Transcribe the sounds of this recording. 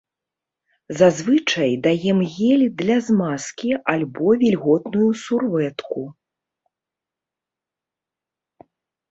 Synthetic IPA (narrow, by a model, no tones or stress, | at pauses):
zazvɨt͡ʂɐjd̪ajɛmɣʲɛlʲd̪lʲɐzmaskʲialʲbɔvʲɛlʲɣɔt̪nujusurvɛt̪ku